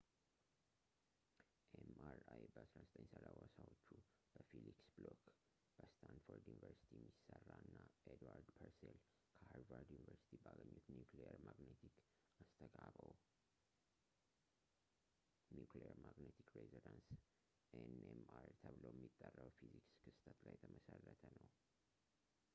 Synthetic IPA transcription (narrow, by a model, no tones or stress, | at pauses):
ʔemaɾajbəasɾazət̪ʼəɲsəlawəsawot͡ʃːu | b̥əfiliksblok | b̥əst̪ʰand̪foɾd̪junivəɾsi̥t̪ʰiɛmːisərːaɨnːaed̪waɾd̪pʰəɾsel | kʰəhaɾvaɾd̪junivəɾsi̥t̪ʰibaɡəɲːut̪njuklejəɾmaɡnet̪ʰik | ast̪ʰəɡaβəw | njuklejəɾmaɡnet̪ʰi̥kɾezod̪ans | enemaɾt̪ʰəβlowjɛmːit̪ʼːərːəwfizikskʰɨst̪ʰət̪lajɛt̪ʰəməsərːət̪ʰənəw